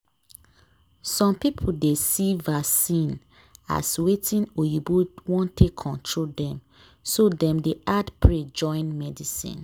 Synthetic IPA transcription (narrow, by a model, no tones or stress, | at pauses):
sɔ̃mpipʰudesivasĩn | a̰swetĩnojibodwɔ̃ntʰekʰːɔ̃ntʰɹoldɛ̃m | sodɛ̃mdeadpɹed͡ʒɔ̃ɪ̃nmɛdisḭ̃n